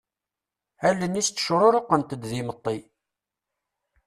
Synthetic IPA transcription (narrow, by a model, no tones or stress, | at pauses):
ælːənist͡s̪ːə̥ʃɾˤoɾˤoqənt̪əd̪ðimət̪ˤːi